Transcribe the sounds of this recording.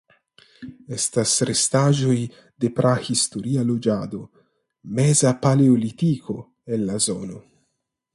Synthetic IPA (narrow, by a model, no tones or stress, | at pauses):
est̪asɾest̪aʒoj | d̪epɾʔahist̪oɾialod͡ʒad̪o | mezapaleolit̪iko̞ | enlazo̰no